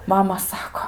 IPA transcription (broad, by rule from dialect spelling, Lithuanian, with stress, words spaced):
ˈmɑːmɐ ˈsɑːkoː